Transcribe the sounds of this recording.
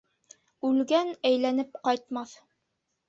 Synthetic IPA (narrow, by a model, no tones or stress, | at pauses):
ʉlɡænæjlænɘp̚qɑjt̪mɑθ